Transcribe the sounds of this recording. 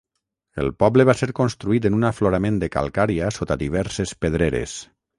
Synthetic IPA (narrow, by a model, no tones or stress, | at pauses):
ḛlˠpɔbleβaseɾkonst̪ɾuit̪enunafloɾamẽnd̪eka̰lˠkaɾiasot̪aðiβ̞ɛɾsespeðɾeɾḛs